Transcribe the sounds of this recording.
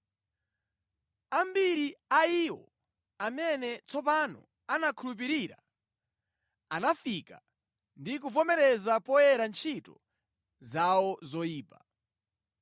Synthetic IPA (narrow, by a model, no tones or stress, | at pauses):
ambiɾiaiwɔ̰ | amɛnɛt͡sɔpanɔ̰ | anakʰulup̬iɾiɾa̰ | anafika̰ | ndik̬uvɔmɛɾɛzapɔjɛɾant͡ʃʰitɔ̰ | zawɔzɔiːpa